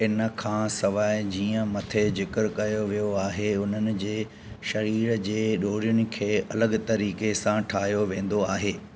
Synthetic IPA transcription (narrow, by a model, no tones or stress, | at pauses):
ɪnə̆kʰãːsɐʋaːɪd͡ʑiːə̃mɐt̪ʰed͡ʑɪkɪɾkɐjoʋijoaːɦeʊn̤ənɪ̆d͡ʑeː | ʃɐɾiːɾd͡ʑeːɗoːɾijʊnɪ̆kʰeːɐləɡt̪ɐɾiːkesãʈʰaːɦijoʋẽːn̆d̪oaːɦeː